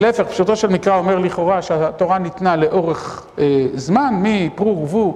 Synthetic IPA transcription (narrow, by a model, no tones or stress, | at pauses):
efeχpʃut̪oʃelmikʁaomeʁliχo̞ʁaʃeaat̪o̞ʁanit̪nale̞ʔo̞ʁeχ | ezmanmipʁuʁɡvu